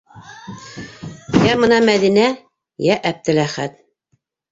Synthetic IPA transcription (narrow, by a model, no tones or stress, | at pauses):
jæmɤ̆nɑmæðinæ | jæʔæb̚t̪ɘ̆læχæt̪̚